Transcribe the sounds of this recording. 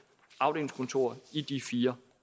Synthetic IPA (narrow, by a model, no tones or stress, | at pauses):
ɑ̈ʊɾe̝̰lŋ̩skʰɔ̽nt͡sʰo̝̰ɐid̥ifiːɐ